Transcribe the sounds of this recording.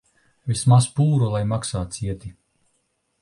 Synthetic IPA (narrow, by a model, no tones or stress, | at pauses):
vismaspuːɾulˠajmaksaːt̪siɛt̪i